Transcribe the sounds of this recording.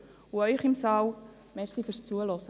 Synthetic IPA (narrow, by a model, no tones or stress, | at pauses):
uœʏχɪmsɑːw | mɛɾsiføɾst͡suəlɔsə